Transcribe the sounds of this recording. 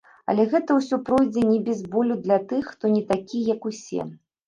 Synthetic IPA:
ɐ̰lʲɛɣɛt̪ɐwsʲɔpɾɔjd͡zʲɛnʲɛbʲɛzbɔlʲud̪lʲɐt̪ɨxːt̪ɔnʲɛt̪akʲijɐkusʲɛ̰

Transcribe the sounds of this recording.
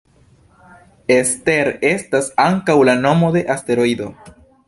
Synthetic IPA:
este̞ɾe̞stasaŋkawlano̞mo̞de̞ʔaste̞ɾo̞id̪o̞

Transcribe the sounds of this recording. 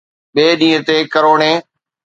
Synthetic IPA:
ɓeːɗĩːə̃t̪eːkəɾoːɳẽː

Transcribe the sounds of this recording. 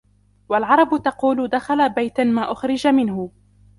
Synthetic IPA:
walʕɑɾˤɑbʊt̪ɑquːlʊd̪axalabajt̪amaːʔʊxɾɪd͡ʒamɪnhʊ

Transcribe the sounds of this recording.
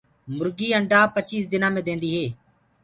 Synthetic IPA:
mʊɾɡiːəɳɖaːpət͡ʃiːsd̪ɪnãːmẽːd̪ẽːnd̪iːɦeː

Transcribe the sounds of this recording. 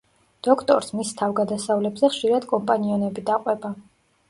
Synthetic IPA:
d̪̥ɔkʰt̪ʼɔɾsmist̪ʰavɡad̪asavlɛbzɛχʃiɾad̪kʼɔmpʼaniɔnɛbid̪aqʼwɛba

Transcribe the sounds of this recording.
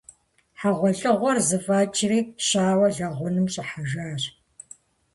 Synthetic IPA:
ħaʁʷɔɮʼɨʁʷɔrzɨfaːt͡ʃʰʼɪriːɕaːwɐɮɐʁʷʊnɨmɕʼɪħaʒaːr

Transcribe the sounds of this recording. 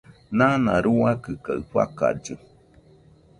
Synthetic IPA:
nãnãɾuakɨkaɨɸa̰ka̰d͡ʒɨ

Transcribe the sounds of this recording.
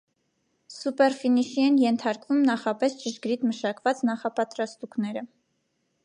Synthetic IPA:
supɛɾfiniʃiɛnjɛnt̪ʰɑɾkvumnɑχɑpɛst͡ʃəʃɡɾit̪məʃɑkvɑt͡snɑχɑpɑt̪ɾɑst̪uknɛɾə

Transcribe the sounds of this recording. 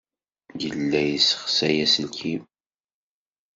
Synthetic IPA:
jəlːæjisə̥χsæjæsəlki

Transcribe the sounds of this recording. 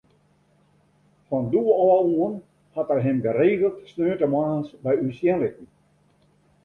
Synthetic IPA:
fɔnduəɔauən | hatərɦɪmbəreːɣəlˠtsnøːtəmaːnsʋɛjysjɛnlɪkn̩

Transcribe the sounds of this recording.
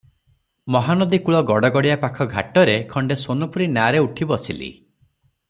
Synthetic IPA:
mɔɦanɔd̪ikuɭɔɡɔɽɔɡɔɽijapakʰɔɡʱa̰ʈɔɾekʰɔɳɖesonɔpuɾinaɾeuʈʰibɔsḭlḭ

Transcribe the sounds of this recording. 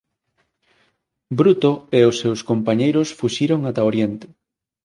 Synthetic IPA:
bɾut̪oeʊsːewskompaɲejɾosfuʃiɾoŋat̪aoɾjent̪ɪ̥

